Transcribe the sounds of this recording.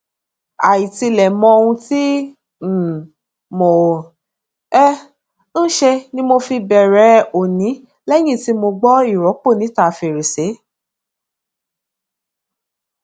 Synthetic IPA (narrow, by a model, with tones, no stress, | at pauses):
a˨ji˨ti˧lɛ˨mɔ̃˧o˧ũ˧ti˦˨ | mo˨ | ɛ˦ | n̩˦ʃe˧nĩ˦mo˧fi˧bɛ˨ɾɛ˨˦o˨nĩ˨˦ | lɛ˦j̃ĩ˦˨ti˨˦mo˧ɡ͡bɔ˦i˦˨ɾɔ˨˦k͡po˦˨nĩ˨˦ta˦˨fe˨ɾe˨se˨˦